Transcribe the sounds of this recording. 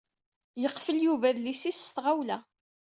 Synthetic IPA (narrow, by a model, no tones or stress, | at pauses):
jəqːfəljuvæðlisisθʁawlæ